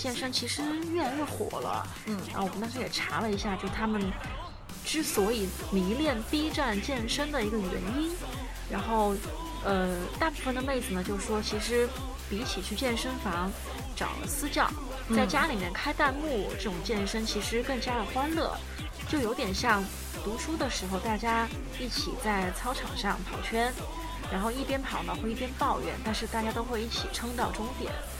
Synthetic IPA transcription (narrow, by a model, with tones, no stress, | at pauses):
t͡ɕjɛ˥˩˧nʂə˥ŋt͡ɕʰi˧˥ʂɻ̩˧˥ɥɛ˥˧nɥɛ˥˩xwɔ̰˨˩lə̰˦˩ | a˧˥wɔ˨˩ə˦nt̪ɑ˥ʂʰjɛ˨˩ʈ͡ʂʰa˧˥lə˧i˧˥ɕja˥˧t͡ɕjo˥˩t̪ʰa˥mə˨n | ʈ͡ʂɻ̩˥swɔ˧˥i˨˩ | mi˧˥ŋljɛ˥˩npi˥ʈ͡ʂa˥˧nt͡ɕjɛ˥˩nʂə˥nd̪ə˨i˧˥ɡə˧ɥɛ̰˧˥ni˥n | ɻa˧˥nxo˥˩ʊ | ə˧t̪a˥˧pu˥˩fə˧nd̪ə˩me˥˩ɪd͡zɹ̩˩nə˩t͡ɕjo˥˧ʊʂʂwɔ˥t͡ɕʰi˧˥ʂɻ̩˧˥ | pi˧˥t͡ɕʰi˨˩t͡ɕʰy˥˧t͡ɕjɛ˥˩nʂə˥nfɑ˧˥ŋ | ʈ͡ʂɑ̰˨˩ʊlə̰˦sɹ̩˥t͡ɕjɑ˥˩ʊ | t͡sa˥˩ɪt͡ɕja˥li˨˩mjɛ˥˩nkʰa˥ɪt̪a˥˧nmu˥˩ʈ͡ʂɤ˥˩ʈ͡ʂʊ˨˩ŋt͡ɕjɛ˥˩nʂə˥ŋt͡ɕʰi˧˥ʂɻ̩˧˥kɤ˥˩ŋt͡ɕja˥d̪ə˨˩xwa˥nlɤ̰˥˩ | t͡ɕjo˥˩ʊjo˧˥ʊt̪jɛ˨˩nɕjɑ˥˩ŋ | t̪u˧˥ʂu˥d̪ə˨ʂɻ̩˧˥xo˧ʊt̪a˥˩t͡ɕja˥ | i˥˩t͡ɕʰi˨˩t͡sa˥˩ɪt͡sʰɑ˥ʊʈ͡ʂʰɑ̰˨˩ŋʂɑ˥˩ŋpʰɑ˨˩ʊt͡ɕʰɥɛ˥n | ɻa˧˥nxo˥˧ʊi˥˩pjɛ˥npʰɑ˨˩ʊnə˧xwe˥˧ɪi˥˩p̪jɛ˥npɑ˥˧ʊɥɛ̰˥˩nt̪a˥˧nʂɻ̩˥˧t̪a˥˩t͡ɕja˥t̪o˥ʊxwe˥˧ɪi˥˩t͡ɕʰi˨˩ʈ͡ʂʰɤ˥ŋt̪ɑ˥˩ʊʈ͡ʂʊ˥ŋt̪jɛ̰˨˩˦n